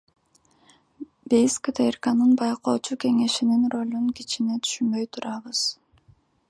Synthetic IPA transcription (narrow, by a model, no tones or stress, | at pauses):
bʲejskət̪ʰerkanɯnbɑjqo̞ːt͡ʃuke̞ŋe̞ʃininro̞lʲunkit͡ʃinet̪ʰy̥ʃynbø̞jt̪ʰuɾʔɑβɯz̥